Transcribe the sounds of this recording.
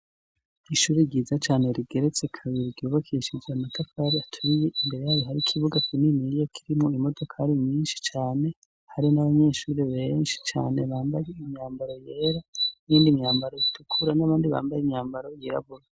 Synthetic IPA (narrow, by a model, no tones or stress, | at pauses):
iʃuːɾiɟiːzat͡ʃaːne̞ɾiɡe̞ɾet͡sekʰaβiɾiɟuːβakʰiʃid͡ʒeamatafaɾiatʰuɾije̞ʔimbe̞ɾe̞jaβiɦaɾikʰiβuɡakininiɾijokʰiɾimoimo̞do̞kʰaɾimɲiːnʃi̥t͡ʃaːne̞ | haɾinaβaɲe̞ːʃuːɾiβenʃi̥t͡ʃa̰ːne̞βaːmbajeimɲaːmbaɾo̞jeːɾaniːndimɲaːmbaɾo̞itʰukʰuɾanaβaːndiβa̰ːmbajimɲaːmbaɾo̞jiɾa̰βuɾa